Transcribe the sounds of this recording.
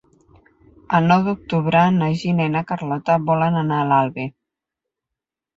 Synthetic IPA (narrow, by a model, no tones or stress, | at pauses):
əlˠnɔwðuk̚t̪uβɾənaʒineinakarlɔt̪əβɔlənanaːlalˠβe